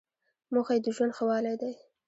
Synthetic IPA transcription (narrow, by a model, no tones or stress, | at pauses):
moxajd̪əʒwand̪xawɑlajd̪aj